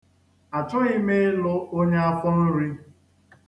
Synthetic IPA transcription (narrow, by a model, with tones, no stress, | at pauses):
a˨tʊ˦ɣi˦me˦lʊ˦o˦ɲe˦a˦fʊ˦n̩˦ɾi˦